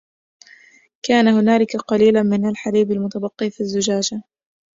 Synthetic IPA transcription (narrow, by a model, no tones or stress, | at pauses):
kaːnahʊnaːlɪkaqɑliːlamɪnalħaɾiːbalmʊt̪abɑqːiːfizːʊd͡ʒaːd͡ʒa